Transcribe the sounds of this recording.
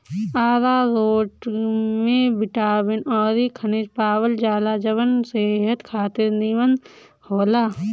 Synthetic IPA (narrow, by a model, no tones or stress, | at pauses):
aːɾaːɾoːʈmẽbɪʈaːbenɔːɾikʰɐned͡ʒpaːwəld͡ʒaːlaːd͡ʒɐʋənseːɦət̪kʰaːt̪ɪɾniʋənd̪ | hoːlaː